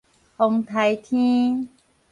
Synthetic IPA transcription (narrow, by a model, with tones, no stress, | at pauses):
ho˧ŋt̪ʰa˨˧˦jt̪ʰĩ˦